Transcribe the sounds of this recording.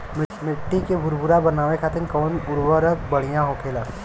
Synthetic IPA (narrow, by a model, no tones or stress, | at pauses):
mɪmɪʈːikebʱʊɾbʱʊɾabɐnaːʋekʰaːt̪ɪnkɔːnʊɾwəɾəkbəɽ̤ijãɦoːkʰeːlaː